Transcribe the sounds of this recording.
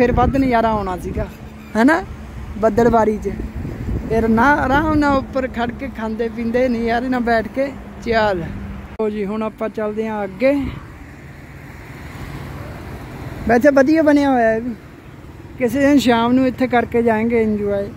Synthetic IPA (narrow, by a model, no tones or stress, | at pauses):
pʰɪɾbad̪nə̃jaːɾaːɦoːɳ̃aːsiːɡaː | ɦɛːnaː | bəd̪əlbaːɾiːt͡ʃ | pʰeɾnãːəɾaːmnãːʊpːəɾkʰəɽkeːkʰãːnd̪eːp̬ĩːnd̪eːnə̃jaːɾeːnãːbɛːʈʰkeː | t͡ʃaːloːd͡ʒiːɦʊɳəpːãːt͡ʃəld̪eːãːəɡeː | bɛːt͡ʃaːbəd̪ɪjãːbənejaːɦoːjaːɛːbiː | kɪseːeːʃ̬aːmnũːɪt̪ʰːeːkəɾkeːd͡ʒaːẽːɡeːɪnd͡ʒuːaːeː